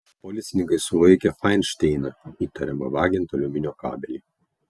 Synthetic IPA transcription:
pɔlʲɪt̪sʲɪnʲɪŋkɐɪsʊlˠɐɪkʲɛfɑɪnʃʲt̪ʲɛɪnɐiːt̪ɐɾʲɛmɐ̰ʋɑːɡʲɪnt̪ɐlʲʊmʲɪnʲoːkɑ̰ːbʲɛlʲiː

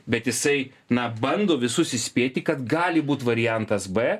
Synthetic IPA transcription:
bʲɛt̪jɪsɐɪ | nɐbɐnd̪oːʋʲɪsʊsʲɪsʲpʲeːt̪ʲɪkɐt̪ɡɑːlʲɪbuːt̪ʋɐɾʲɪjɛnt̪ɐsbɛ

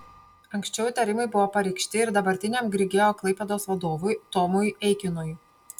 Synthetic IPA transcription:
ɐŋksʲt͡ʃʲɛʊt̪ʲɐɾʲɪmɐɪbʊʋoːpɐɾʲɛɪkʃʲt̪ʲɪɪɾd̪ɐbɐɾʲt̪ʲɪnʲɛmɡɾʲɪɡʲeːjoːklˠɐɪpʲɛd̪oːsʋɐd̪oːʋʊjt̪ɔmʊjɛɪkʲɪnoj

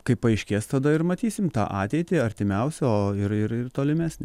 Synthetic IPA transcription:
kɐɪpːɐɐɪʃʲkʲeːst̪ɐd̪ɐɪɾmɐt̪ʲiːsʲɪmt̪ɑ̰ːʔɑːt̪ʲɛɪt̪ʲɪɐɾʲt̪ʲɪmʲɛʊsʲɛoːɪɾɪɾɪrt̪oːlʲɪmʲæːsʲnʲɪ

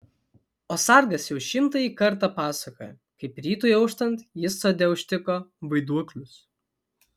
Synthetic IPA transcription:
oːsɑɾɡɐsjɛʊʃʲɪmt̪ɐiːkɐɾt̪ɑpɑːsɐkoːjɛ | kɐɪpɾʲiːt̪ujɛʊʃt̪ɐnt̪jɪsːoːd̪ʲɛʊʃʲt̪ʲɪkoːʋɐɪd̪uɔklʲʊs

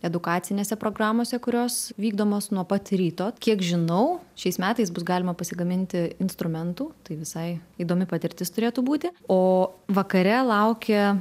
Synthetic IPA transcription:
ɛd̪ʊkɑːt̪sʲɪnʲeːsʲɛpɾoːɡɾɑːmoːsʲɛkʊɾʲoːsʋʲiːɡd̪oːmoːsnuɔpɐt̪ʲɾʲiːt̪oːkʲiɛkʒʲɪnɐʊʃʲɛɪsmʲæːt̪ɐɪsbʊsɡɑːlʲɪmɐpɐsʲɪɡɐmʲɪnʲt̪ʲɪɪnst̪ɾʊmʲɛnt̪uːt̪ɐɪʋʲɪsɐɪiːd̪oːmʲɪpɐt̪ʲɪɾʲt̪ʲɪst̪ʊɾʲeːt̪uːbuːt̪ʲɪoːʋɐkɐɾʲɛlˠɐʊkʲɛ

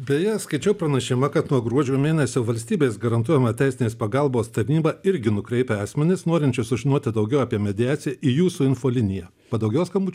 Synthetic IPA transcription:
bʲɛjɛskɐɪt͡ʃʲɛʊpɾɐnʲɐʃʲɪmɐkɐt̪nuɔɡɾuɔd͡ʒʲuːmʲeːnʲɛsʲoːʋɐlʲsʲt̪ʲiːbʲeːsɡɐɾɐnt̪uɔjɛmɐt̪ʲɛɪsʲɪnʲeːspɐɡɐlˠboːst̪ɐɾʲnʲiːbɐɪɾʲɡʲɪnʊkɾʲɛɪpʲeɑːsʲmʲɛnʲɪsnoːɾʲɪnʲt͡ʃʲɛsʊʒʲɪnoːt̪ʲɪd̪ɐʊɡʲɛʊɐpʲiɛmʲɛd̪ʲɪjæːt̪sʲɪjɛʔijuːsuːɪnfoːlʲɪnʲɪjɛ | pɐd̪ɐʊɡʲɛːskɐmuːt͡ʃʲ

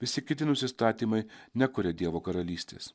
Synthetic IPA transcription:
ʋʲɪsʲɪkʲɪt̪ʲɪnʊsʲɪst̪ɑːt̪ʲiːmɐɪnʲɛkʊɾʲɛd̪ʲiɛʋoːkɐɾɐlʲiːsʲt̪ʲḛːs

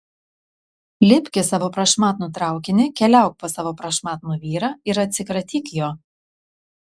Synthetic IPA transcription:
lʲɪpʲkʲɪsɑːʋoːpɾɐʃmɑːt̪nʊt̪ɾɑˑʊkʲɪnʲɪkʲɛlʲæˑʊk̚posɑːʋoːpɾɐʃmɑːt̪nuːʋʲiːɾɑːɪɾɐt̪ʲsʲɪkɾɐt̪ʲiːkjoː

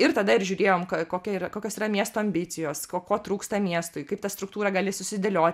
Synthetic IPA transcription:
ɪɾt̪ɐd̪ɐɪɾʒʲuːɾʲeːjoːmkɐkoːkʲɛiːɾɐkoːkʲoːsiːɾɐmʲiɛst̪oːɐmʲbʲɪt̪sʲɪjoːskoːkoːt̪ɾuːkst̪ɐmʲiɛst̪ʊɪkɐɪpt̪ɐst̪ɾʊkt̪uːɾɐɡɐlʲɪsʊsʲɪd̪ʲelʲoːtʲ

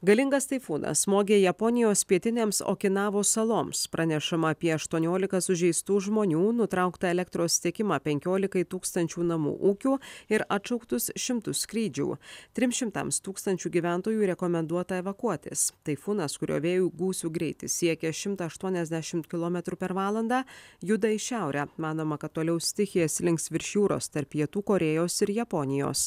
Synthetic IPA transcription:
ɡɐlʲɪŋɡɐst̪ɐɪfuːnɐ̰smoːɡʲeːjɛpɔnʲɪjoːspʲiɛt̪ʲɪnʲeːmso̰ːkʲɪnɑːʋoːsɐlˠoːmspɾʔɐnʲɛʃɐmɐːpʲiɛɐʃt̪uɔnʲoːlʲɪkɐsʊʒʲɛɪst̪uːʒmoːnʲuːnʊt̪ɾɐʊkt̪ɐɛlʲɛkt̪ɾoːst̪ʲiɛkʲɪmɑːpʲɛŋʲkʲoːlʲɪkɐɪt̪uːkst̪ɐnʲt͡ʃʲuːnɐmṵːʔuːkʲuːɪɾɐt̪ʃɐʊkt̪ʊsʃʲɪmt̪ʊskɾʲiːd͡ʒʲṵːt̪ʲɾʲɪmʃʲɪmt̪ɐ̰mst̪uːkst̪ɐnʲt͡ʃʲuːɡʲiːʋʲæˑnt̪oːjuːɾʲɛkɔmʲɛnd̪uɔt̪ɐɛʋɐkuɔt̪ʲɪ̰st̪ɐɪfuːnɐskʊɾʲo̰ːʋʲeːjuːɡuːsʲuːɡɾʲɛɪt̪ʲɪsʲiɛkʲɛʃʲɪmt̪ɐɐʃt̪uɔnʲɛzʲd̪ʲæʃʲɪmt̪kʲɪlˠomʲɛt̪ɾuːpʲɛɾʋɑːlˠɐnd̪ɑːjʊd̪ɐɪʃʲæˑʊɾʲæːmɑːnoːmɐkɐt̪ːoːlʲɛʊsʲt̪ʲɪxʲɪjɛsʲlʲɪŋksʋʲɪɾʲʃʲjuːɾo̰ːst̪ɐɾpjiɛt̪uːkoːɾʲeːjoːsɪɾjɛpɔnʲɪjo̰ːs

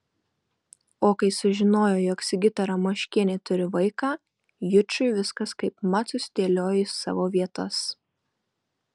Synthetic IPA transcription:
oːkɐɪsʊʒʲɪnoːjoːjɔːksʲɪɡʲɪt̪ʲɛɾɐmoʃʲkʲɪnʲet̪ʊɾʲɪʋɐɪkɑː | jʊt͡ʃʲʊɪʋʲɪskɐskɐɪpmɐt̪sʊsʲt̪ʲeːlʲoːjɪsɑ̰ːʋoːʋʲiɛt̪ɐs

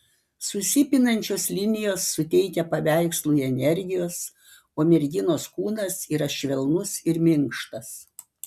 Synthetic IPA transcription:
sʊsʲɪpʲɪnɐnʲt͡ʃʲoːslʲɪnʲɪjoːsːʊt̪ʲɛɪkʲɛpɐʋʲæɪkslˠuːiɛnʲɛɾʲɡʲɪjoːs | oːmʲɛɾʲɡʲɪnoːskuːnɐsiːɾɐʃʲʋʲɛlˠnʊsɪɾmʲɪŋkʃt̪ɐs

